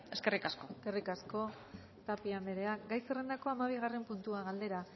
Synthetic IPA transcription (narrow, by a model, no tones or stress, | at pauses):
eskerikaskokerikasko̞ | t̪apiambeɾe̞aɡajsere̞nd̪ako̞amaβ̞iɣ̞are̞mpunt̪uaɣald̪e̞ɾa